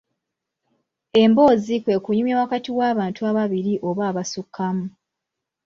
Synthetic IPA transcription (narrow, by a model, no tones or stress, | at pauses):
e̞mbo̞ːzikwe̞ːkuɲumjawakatiwaːβaːntuaβaβiɾiʔo̞βaːβasukʰːamu